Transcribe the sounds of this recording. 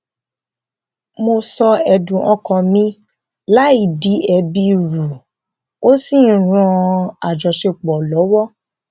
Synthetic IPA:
mo˧sɔ˧ɛ˧dũ˨ʔɔ̃˧kɔ̃˨mĩ˧ | la˨˦i˦˨di˨˦ɛ˧bi˧ɾu˨ | o˦si˦˨ɾ̃ũ˧a˨d͡ʒɔ˨ʃe˧k͡pɔ˨lɔ˨˦wɔ˦

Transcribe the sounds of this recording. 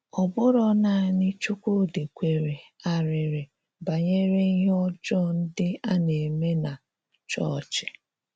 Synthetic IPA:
ɔ˨bʊ˦ɾɔ˦na˨nɪ˦t͡ʃu˦kʷo˦de˨kʷe˨ɾe˨a˨ɾɪ˨ɾɪ˨ | ba˨ɲe˦ɾe˦ɦɔ˦d͡ʒɔ˦n̩˦dɪ˦a˦ne˨me˦na˨ | t͡ʃɔ˦˨t͡ʃɪ̥˨

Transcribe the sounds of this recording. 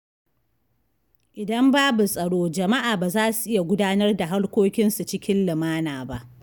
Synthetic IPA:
ʔɪ˨dɐ˦mbaː˦bu˨sʼɐ˨ɽoː˦d͡ʒɐ˨ma˦ʔaː˨baː˨zaː˦su˨ʔɪ˦ja˨ɡʷʊ˦daː˦nɐ˦rda˨ɦa˦rkʷoː˦kʲɪ˦nsu˨t͡ʃɪ˦kʲɪ˦nlɪ˨maː˦naː˨ba˦ʔ

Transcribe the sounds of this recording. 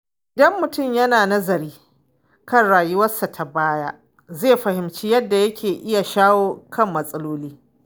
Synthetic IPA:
dɔ˦mːʊ˨tʊ˦˨mjɐ˦naː˨nɐ˦zɐ˨ɾiː˦ | kɐ˦nɽaː˨jʊ˦wɐ˦sːa˨tʰa˨baː˦ja˦ | zeː˦˨ɸɐ˨hɪ˨mt͡ʃi˦jɐ˦dːa˨jɐ˦kʲeː˨ʔɪ˦ja˨ʃaː˦woː˦kʰɐ˦˨mːɐ˨sʼɐ˦loː˦liː˦

